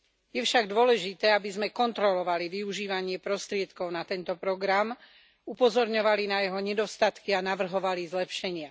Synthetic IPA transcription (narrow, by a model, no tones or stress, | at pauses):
jɛfʃaɡd̪ʊɔlɛʒit̪ɛːabizmɛkɔnt̪ɾɔlɔʋaliʋiuʒiːʋaɲɪɛpɾɔst̪ɾɪɛt̪kɔʊnat̪ɛnt̪ɔpɾɔɡɾam | upɔzɔɾɲɔʋalinajɛɦɔɲɛd̪ɔst̪at̪kianaʋr̩ɦɔʋalizlɛpʃɛɲɪa